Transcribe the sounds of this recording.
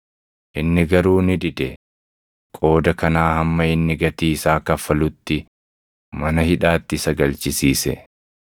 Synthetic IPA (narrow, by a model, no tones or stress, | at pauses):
ʔɪnːɪɡɐɾuːnɪᶑɪd̪ɛ | kʼo̞ːd̪ɐkɐnaːhɐmːɐɪnːɪɡɐt̪iːsaːkɐfːɐlʊt̪ːɪ | mɐnɐhɪᶑaːt̪ːɪsɐɡɐlt͡ʃɪsiːsɛ̰